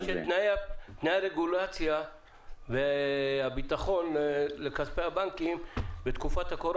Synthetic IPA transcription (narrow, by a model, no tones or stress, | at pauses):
ʃet̪naat̪nejaɾeɡulat͡sja | vehabit̪aχo̞nlekaspeabaŋkimbet̪kufat̪hakoɾ